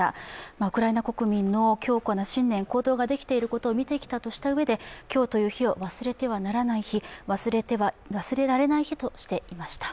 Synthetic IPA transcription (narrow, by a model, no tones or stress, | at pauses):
a̰maɯ̟kɯ̟ɾaenako̞kɯ̟mʲĩnːo̞kʲo̞ːkonaɕĩnːẽ̞ŋko̞ːd̪o̞ːɡad̪e̞kʲi̥t̪e̞iɾɯ̟ko̞t̪oːmʲit̪e̞kʲi̥t̪at̪o̞ɕi̥t̪aɯ̟βe̞d̪e̞kʲo̞ːt̪o̞jɯ̟ːçio̞βasɨɾe̞t̪e̞βanaɾanaiçiβasɨɾet̪eβaβasɨɾe̞ɾaɾe̞naiçit̪o̞ɕi̥t̪e̞imaɕi̥t̪ḁ